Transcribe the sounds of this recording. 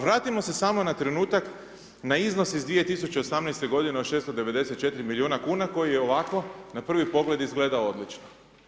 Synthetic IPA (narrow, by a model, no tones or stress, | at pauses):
ʋɾaːt̪imo̞se̞saːmo̞nat̪ɾe̞nuːt̪ak | naizno̞sizd̪ʋije̞t̪isut͡ɕe̞o̞samnejst̪e̞ɡo̞d̪ineoʃest̪od̪e̞ʋe̞d̪e̞set̪̚t͡ʃe̞t̪iɾimiliuːnakuːnako̞jijeo̞ʋako̞napr̩ʋipo̞ɡle̞d̪izɡle̞d̪aood̪lit͡ʃno